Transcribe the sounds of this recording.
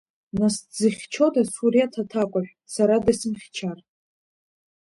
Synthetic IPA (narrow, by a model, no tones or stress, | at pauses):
naszɨχʲt͡ʃʰo̞dasuɾiatʰatʰakʷʼaʒᶣʷ | saɾadasɨmχʲt͡ʃʰar